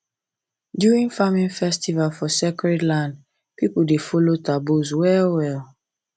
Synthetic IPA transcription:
djuɹĩŋfamĩnfɛstivalfɔsekɹɛdlãnd | pipuldefolotabuswɛlwɛl

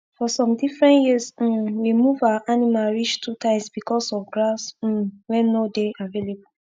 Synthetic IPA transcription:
fɔsɔ̃mdifɹɛ̃njis̩wimuvaʔanimaɹit͡ʃtʰutãɪ̃msbikɔsɔfɡɹas̩wɛ̃nːodeʔavelebu

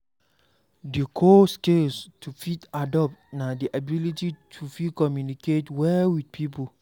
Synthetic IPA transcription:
dekʰoskelstʰufitadɔp̚tnadiʔabilititʰufitkɔmjuniketwɛwid̚pʰipo

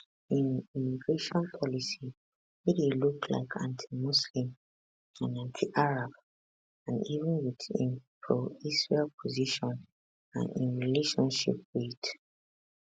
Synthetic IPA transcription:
ĩnimiɡɹeʃɔ̃npʰɔlisi | witelukʰla̰ɪkʰã̰ntʰi̥muslĩm | ãnãntʰiʔaɹab | ãnivə̃nwiðḭ̃npʰɹoisɹelpʰɔziʃɔ̃n | ã̰nĩnɹileʃɔ̃nʃḭp̚wit

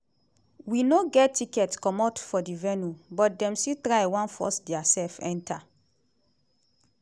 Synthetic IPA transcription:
winoɡɛtːikɛtkɔ̃matfɔdivɛnubɔt̚dɛ̃msitɾajwãnfɔ̰sdɛasɛlfɛ̃nta

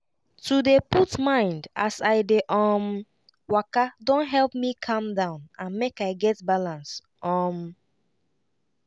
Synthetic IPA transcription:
tʰudeputmãɪ̃ndasaɪdeʔɔm | wakadõnɦɛlˠpmikʰʌ̃mdãʊ̃nãnmekaɪɡɛt̚balãnst | ɔ̃m

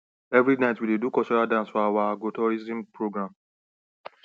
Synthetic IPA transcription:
ɛvɹinaɪtwidedukɔt͡ʃɔɹadãnsfɔawaaɡotɔɹizĩmpɹoɡɹãm

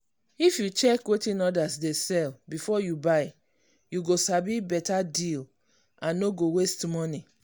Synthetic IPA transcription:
ifjut͡ʃɛkwetĩnɔdasdesɛlbifɔjubaɪ | juɡosabibɛtadil | ãnːoɡowestmɔni

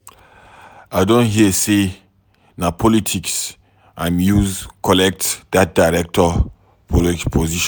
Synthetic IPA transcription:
aɪdõnɦiəse | napʰɔlitʰiks | ãmjuzkʰɔlɛk̚tdat̚d̥aɪɹɛk̚tʰɔ | pʰɔlid͡ʒpʰoziʃɔ̃

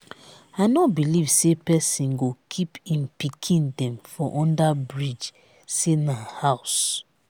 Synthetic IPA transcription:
aɪnɔt̚biliv̥sepɛsĩnɡokʰipĩmpikʰĩndɛ̃mfɔʔɔ̃ndabɹid͡ʒ | senahaʊs

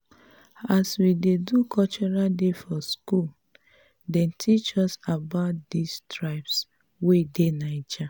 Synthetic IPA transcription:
aswidedukʰɔt͡ʃɔɹaldefɔskul | dɛ̃ntʰit͡ʃɔsabaʊt̚distɹaɪps | wedenait͡ʃa

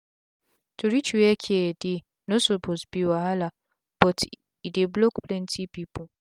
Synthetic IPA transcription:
tʰoɾit͡ʃuwekʰedi | nosopʰozbiwaɦala | b̥ɔtʰ | ideblokplɛntʰipipɔ

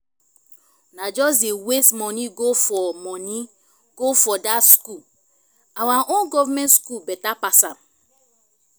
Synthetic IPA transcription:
nad͡ʒɔs̬dewesmɔniɡofɔmɔni | ɡ̥ofɔdatsku | awaʔõnɡɔvamɛ̃ntskulbɛtapasãm

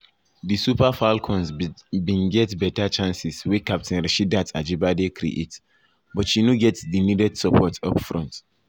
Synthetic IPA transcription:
disupafalkʰɔ̃nsbĩnɡɛtbɛtat͡ʃãnsiswikap̚tʰĩnɾɛʃidatad͡ʒibadekʰɾḭʔet | bɔtʃinuɡɛtsdinidɛdsəpʰɔtʰɔ̰pfɹɔ̃nt

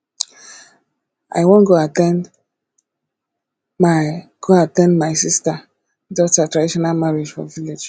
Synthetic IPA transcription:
ʔa̰jwõnɡoatɛ̃n | maɡ̥oatɛ̃ndmaɪsista | dɔtatɹadiʃɔnalmaɹid͡ʒfɔ̰viled͡ʒ

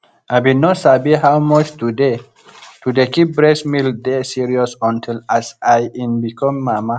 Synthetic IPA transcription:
abidnosabiɦawmɔt͡ʃt̪ude | tud̪ekip̚bɹesmild̪esiɾiɔsɔ̃ntʰilasajʔĩnbikʰɔ̃mːama

